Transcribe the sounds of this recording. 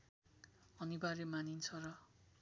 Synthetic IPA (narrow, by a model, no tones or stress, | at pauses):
ʌnibaɾemanint͡sʰʌrʌ